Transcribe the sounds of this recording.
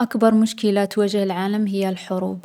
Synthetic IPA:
ʔakbɑɾˤmʊʃkɪlat̪wad͡ʒhɪlʕaːlamɦɪjːalħʊɾṵːb

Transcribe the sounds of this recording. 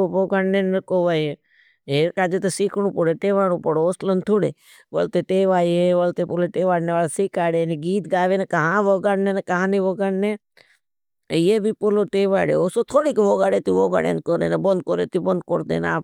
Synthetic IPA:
ʋoːɡaːɳneːnːɐkoːʋaːje | ɦeːɾkaːd͡ʒet̪esiːkʰɳũːpoɽeːʈeːʋaːɽũːpəɽoːoslənt̪ʰuɽḛː | ʋə̰lt̪eʈeːʋaːjeʋəlt̪eːpoloʈeːʋaːɽneʋaːlasikaːɽeːneɡiːt̪ɡaːʋeːnekəɦãːʋoɡaːɽneːnekəɦãːniʋoːɡaɳne | jebʱiːpoloːʈeːʋa̰ːɽḛːoːsoːt̪ʰoːɽiːkʋoːɡaːɽeːt̪iʋoːɡa̰ːɽḛːnkoɾeːnebənd̪̚koɾeːt̪ibənd̪̚koɾd̪ḛːna̰ːp

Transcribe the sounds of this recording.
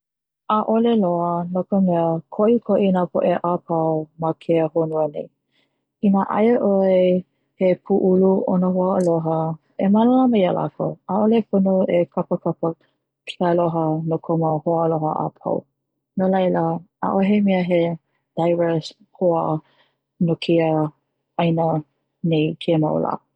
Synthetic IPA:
ʔaʔoleloənokəmɛəkʰoʔikʰoʔinapʰoʔeʔapʰɐwmakʰeəhonuənḛj | inaʔa̰jəʔoe | hepʰuʔuluʔonəɦoəloɦə | emaləlamɐjəla̰ko̰aʔoleponoekʰapəkapə | pilaloɦənokʰoməhoəloɦə̰ʔa̰pʰa̰w | nolajləʔa̰ʔoɦemiəɦe | d̥ajvɛs | hoə | nokʰeə | ajnə | nejkʰema̰wla̰

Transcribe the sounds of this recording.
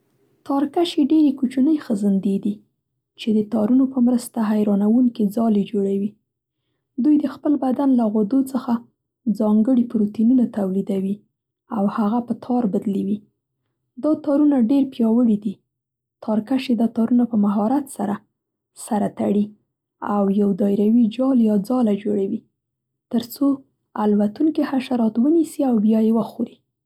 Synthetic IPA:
t̪ɑɾkaʃeɖeɾekut͡ʃunəjxəzənd̪ed̪i | t͡ʃed̪ət̪ɑɾunopəmɾəst̪aɦajɾɑnawuŋked͡zɑled͡ʒoɽawi | d̪ujd̪əxpəlbad̪anlaɣod̪ot͡səxa | d͡zɑŋɡəɽipɾot̪inunat̪awlid̪awi | awhaɣapət̪ʰɑɾbad̪liwi | d̪ɑt̪ɑɾunaɖeɾpjɑwəɽid̪i | t̪ʰɑɾkaʃed̪at̪ɑɾunapəmaɦɑɾat̪saɾa | saɾat̪aɽi | awjawd̪ɑjɾawid͡ʒɑljɑd͡zɑlad͡ʒoɽawi | t̪əɾt͡so | alwat̪uŋkihaʃaɾɑt̪wənisiawbjɑjewəxoɾi

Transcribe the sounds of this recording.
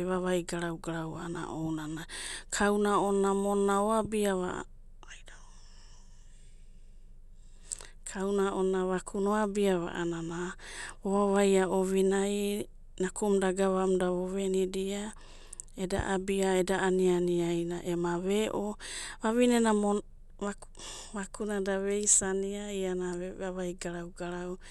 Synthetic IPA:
eβaβajɡaɾawɡaɾawaana̰ʔonanakʰawnaonamonːaoabiaβa̰ | ajda | kʰawnaʔonaβakʰunoabiaβa̰ʔananaoβaβajaoβinaj | nakumdaɡaβamdaβoβenidia | eda̰ʔabiaedaʔanianiajnaʔemaβeʔoβaβinenamo | βa | βakunadaβe̞jsaniaianaβaβajɡaɾawɡaɾaw

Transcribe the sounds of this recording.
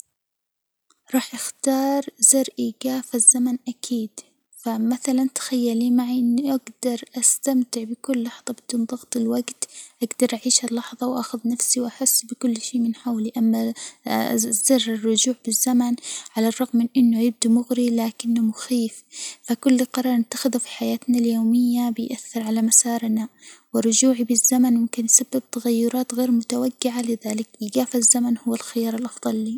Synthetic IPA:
ɾˤɑːħʔɪxt̪ɑːɾˤzɪɾʔiːɡaːfazːamanʔakʰiːd̪̥ | famaθalant̪xajːaliːmaʕiʔɪnːiʔaɡd̪ɑɾˤʔast̪amt̪ɪʕbɪkʊlːɑħðˤɑbɪd̪uːnðˤɑɣt̪ˤɪlwaɡt̪ʔaɡd̪ɑɾˤʔaʕiːʃalːɑħðˤɑwʔaxʊðnafsiwʔaħɪsːbɪkʊlːʃeːmɪnħawliʔamːa | zːɑrˤːɪrˤːʊd͡ʒuːʕbɪzːamanʕalarˤːɑɣmːɪnʔɪnːʊjɪb̚d̪umʊɣɾilaːkɪnːʊmʊxiːffakʊlːqɑɾˤɑːɾˤnɪt̪ːaxɪðufi̥ħajaːt̪naljoːmɪjːabɪjʔaθːɪɾʕalamasɑːɾˤnawɪrˤːʊd͡ʒuːʕibɪzːamanmʊmkɪnjsabːɪb̚t̪aɣajːʊɾˤɑːt̪ɣeːɾmʊt̪awaɡːɪʕalɪðaːlɪkɪɡaːfazːamanhʊwːalxɪjɑːɾˤɪlʔɑfðˤɑlːiː

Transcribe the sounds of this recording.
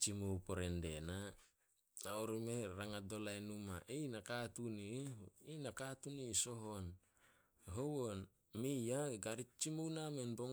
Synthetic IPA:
t͡ʃimowpoɾendḛna | naoɾimeɾaŋadolajnumaʔijnakatuniinakatuniso̞ɦon | ɦowon | mijaɡaɾit͡ʃimownamenboŋ

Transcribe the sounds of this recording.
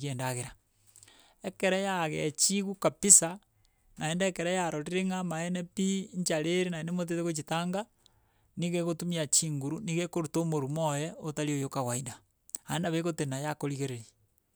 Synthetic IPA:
eːndaɣeɾa | ekeɾejaɣet͡ʃiɣukapisa | naendekeɾejaɾoɾiɾeŋamaenepiɲt͡ʃaɾeɾenaenemot̬eteɣot͡ʃitaːŋɡa | niɣeɣotumiat͡ʃiːŋɡuɾuniɣekoɾutomoɾumojɛotaliojokaɣwainda | aenaβeɣotenajakoɾiɣeɾeɾi

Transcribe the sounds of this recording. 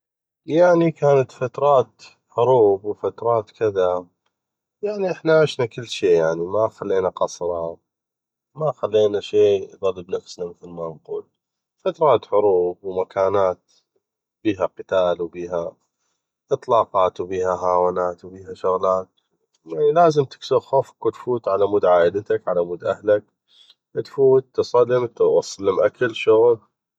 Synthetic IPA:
jaʕnikaːnat̪fat̪ɾˤɑːt̪ | ħʊɾuːbwfat̪ɾˤɑːt̪kɪða | jaʕniʔɪħnaʕɪʃnakɪlːʃeːjaʕnimaxalːeːnaqɑsˤɾˤɑ | maxalːeːnaʃeːðˤɑlːəbnafsnamɪθlmanquːl | fat̪ɾˤɑːt̪ħʊɾuːbwmakʰaːnaːt̪̚ | b̥iːɦaqɪt̪aːlwbiːɦa | ʔɨt̪ˤlɑːqɑːt̪wbiːhaɦaːwaːnaːt̪wbiːɦaʃʊɣlaːt̪̚ | jaʕnilaːzɪmt̪ɪ̥ksʊbxoːfkwɪt̪fuːt̪ʕalamuːd̪ʕaːʔɪd̪t̪akʕalamuːd̪ʔahlak̚ | t̪fuːt̪ːsˤɑlːɪmt̪wɑsˤːɑlːɪmʔakɪlʃʊɣl

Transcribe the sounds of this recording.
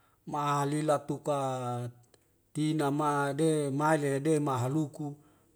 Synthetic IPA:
maalilat̪uka | t̪inamademaileedemaɦaluku

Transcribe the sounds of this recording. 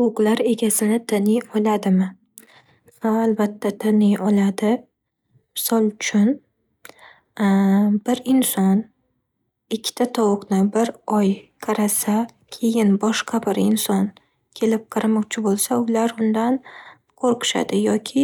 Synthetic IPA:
ʊqlˠaɾe̞ɡʲasɪnɪd̪ʰɪnɪjɒlˠad̪ɪmɪ | vaːlbat̪ʰːad̪ɪnɪjɒlad̪ɪ | mɪsɒlˠʊt͡ʃʰʊn | b̥ɪɾɪnsɒn | ɪkʲʰːɪ̥t̪ʰat̪ʰɒwʊqnɪbɪɾɒjqʰɑɾasa | kʲʰe̞jɪnbɒʃqʰɑbɪɾɪ̰nsɒn | kʲʰe̞lɪp̚qʰɑɾamɒqt͡ʃʰɪbolˠsaʊlaɾʊnd̪an | qʰoɾqɨ̥ʃa̰d̪ɪjɒkʲʰɪ

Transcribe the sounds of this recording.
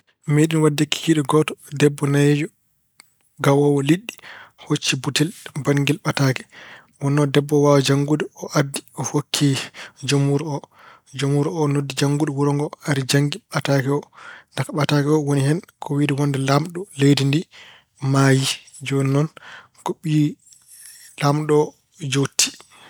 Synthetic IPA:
meɗinwadːikːi̥kiɗɔɡɔtɔ̥dɛbːɔnajd͡ʒɔ | ɡawɔwɔliɗːihot͡ʃːibutɛlbaŋɡilɓatakɛ̥ | wɔnːɔdɛbːɔwawad͡ʒaŋɡudɛɔʔadːiɔfokʰːid͡ʒomuɾɔ | d͡ʒomuɾɔnodːid͡ʒaŋɡudɔwuɾɔŋɡɔaɾid͡ʒaŋɡiɓatakɛɔnakaɓatakɛɔwonihɛnkʰɔwiːdiwɔnːdɛlamɗɔlejdindi | maji | d͡ʒɔnnɔn | kɔɓi | lamɗɔ | d͡ʒotʰːi̥

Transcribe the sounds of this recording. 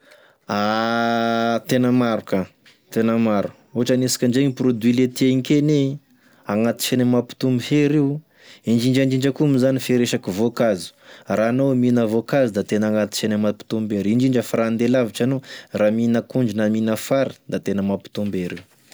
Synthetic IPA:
a | t̪enəmaɾuka | t̪enəmaɾu̥ | oʈ͡ʂanisi̥kʲəɳɖ͡ʐeŋiprod̪wilet̪ieŋkʲene | aŋat̪i̥ʃenəmapi̥t̪umbiɦeɾew | ind͡ʒiɳd͡ʒand͡ʒiɳd͡ʒəkumizanifeɾeʃakivokazi̥ranominavokazid̪at̪enaŋat̪i̥t͡ʃenəmapi̥t̪umbeɾiɳd͡ʒiɳd͡ʒəfaɾand̪elaviʈ͡ʂanoraminəkuɳd͡ʒinaminəfaɾi̥d̪at̪enəmapi̥t̪umbeɾew

